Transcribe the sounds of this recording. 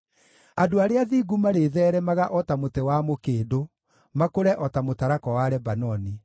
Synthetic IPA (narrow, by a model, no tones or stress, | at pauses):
adoaɾeaðiːɡumaɾeðɛːɾɛmaɣaʔɔtamotɛwamokeːdo | makoɾɛʔɔtamotaɾakɔwaɾɛbanɔni